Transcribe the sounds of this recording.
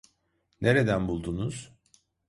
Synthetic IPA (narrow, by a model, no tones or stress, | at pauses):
nʔe̞ɾe̞d̪ænbulˠd̪unuz̥